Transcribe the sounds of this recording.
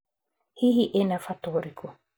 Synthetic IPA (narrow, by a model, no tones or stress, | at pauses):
hihiʔenafat̪oːɾikʰu